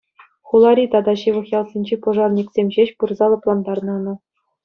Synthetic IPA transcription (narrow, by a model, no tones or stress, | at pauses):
χulˠɑɾʲit̪ɑd̪ɑɕɯʋɤ̆χjɑlˠsʲinʲd͡ʑepŏʐɑrnʲiksʲemʲʑeɕpurzɑlˠɤ̆plˠɑnd̪ɑrnɑnɤ̆